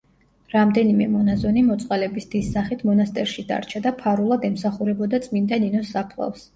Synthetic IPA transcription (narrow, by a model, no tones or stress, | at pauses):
ɾamd̪ɛnimɛmɔnazɔnimɔt̪sʼqʼalɛbisd̪̥isːaχit̪ʰmɔnast̪ʼɛɾʃid̪a̰ɾt͡ʃʰad̪apʰaɾulˠad̪ɛmsaχuɾɛbɔd̪at̪sʼmind̪aninɔsapʰlˠa̰fs